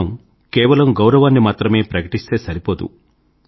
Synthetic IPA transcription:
ɐm | kɛːʋɐlɐmɡɐwɾɐʋaːnːimaːt̪ɾɐme̞ːpɾɐkɐʈist̪e̞ːsɐɾipoːd̪ṵ

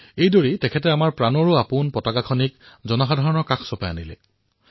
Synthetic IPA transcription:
ejdoɹitɛkʰɛtɛamaɹpɹanɔɹʊapʊnpɔtakakʰɔnikzɔnaxɔdʱaɹɔnɔkakʰsɔpajanilɛ̰

